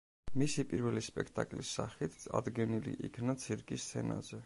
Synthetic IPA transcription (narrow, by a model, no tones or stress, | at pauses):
misipʼiɾvɛlispʼɛkʰt̪ʼakʼlisːaχit̪ʰa̰d̪ɡɛnilḭʔikʰnat̪sʰiɾkʼist̪sʰɛna̰zɛ